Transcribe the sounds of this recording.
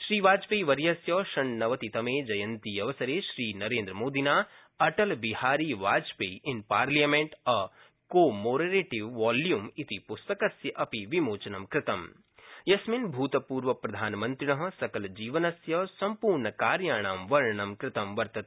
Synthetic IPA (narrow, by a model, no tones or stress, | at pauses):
ʃɾiːʋaːd͡ʒpeːʋɐɾjɐsjɐʃɐɳnɐʋɐt̪it̪ɐmeːd͡ʒɐjɐ̃nt̪ijɐʋɐsɐɾeːʃɾiːnɐɾẽːnd̪ɾəmoːd̪inaː | ɐʈɐlbihaːɾiːʋaːd͡ʒpeːʔɪnpaːɾlijamẽɳʈɐ | koːmoːɖeɾeːʈiʋːaːljumit̪ipʊst̪ɐkɐsjɐʔɐpiʋimoːt͡ʃɐnɐmkɾɪt̪ɐm | jɐsmɪnbʱuːt̪ɐpuːɾʋɐpɾɐd̪ʱaːnmɐ̃nt̪ɾɪɳɐɦɐ̆sɐkɐld͡ʒiːʋɐnɐsjɐsɐmpuːɾɳɐkaːɾjaːɳ̃aːmʋɐɾɳɐmkɾɪt̪ɐmʋɐɾt̪ɐt̪